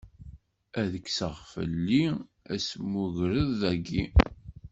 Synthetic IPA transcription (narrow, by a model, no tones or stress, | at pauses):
æðəksəʁfə̰lːi | æsmuʝɾəðːæɡi